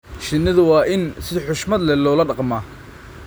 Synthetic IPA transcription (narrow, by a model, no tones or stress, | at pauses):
ʃɪnːɐðʊwɑːʔɪnsɪħʊʃmɐd̪lɛlɔːlɐɖɑqmaː